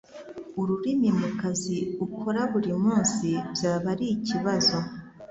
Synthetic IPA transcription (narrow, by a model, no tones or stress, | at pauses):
uɾuɾimimukaziukʰoɾaβuɾimuːnsibjaːβaɾiːciβazo̞